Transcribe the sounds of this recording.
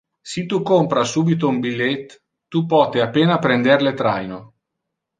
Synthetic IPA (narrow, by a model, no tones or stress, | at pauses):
sit̪ukompɾasuːbit̪̬oumbilːet̪ː | upɔːt̪eapːeːnapɾɛnd̪erlet̪ɾa̰jno